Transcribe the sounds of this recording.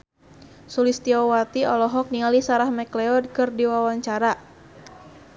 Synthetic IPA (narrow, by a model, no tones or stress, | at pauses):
sulist̪iɔwat̪iɔlɔɦɔk̚nialisaɾahmɛklɛɔd̚kɨrdiwawaɲt͡ʃaɾa